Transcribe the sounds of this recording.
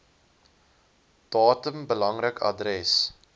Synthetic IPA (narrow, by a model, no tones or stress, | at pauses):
d̥ɑːtəmbəlɐŋrəkʰɐ̰dɾɛs